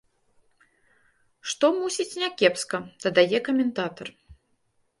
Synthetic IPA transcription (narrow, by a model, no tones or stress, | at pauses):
ʂt̪ɔmusʲit͡sʲnʲakʲɛpskɐd̪̥ɐd̪ajɛkɐmʲɛnt̪at̪ɐr